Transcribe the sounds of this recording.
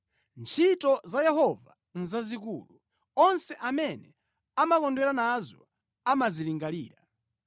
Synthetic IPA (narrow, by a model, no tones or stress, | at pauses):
nt͡ʃʰitɔzajɛɦɔva | nzazik̬ṵːlu | ɔnsɛʔamɛnɛ | amakɔndwɛɾanazɔ | amaziliŋɡalḭːɾa